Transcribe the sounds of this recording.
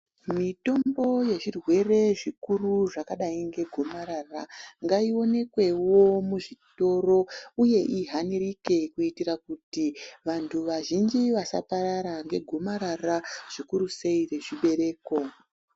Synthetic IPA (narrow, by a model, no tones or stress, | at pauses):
mito̞mbo̞je̞ʐirwe̞re̞ʐikuruʐakaɗaiŋɡe̞ɡʱomaɾaraŋɡaio̞ne̞kwe̞wo̞muʐito̞ro̞uje̞ʔiɦanirike̞kuitiɾakutiʋantʰuʋaʒind͡ʒiʋasa̰paɾaɾaŋɡe̞ɡʱo̞maɾaraʐ̥ikuɾuse̞ire̞ʐiɓe̞ɾe̞ːko̞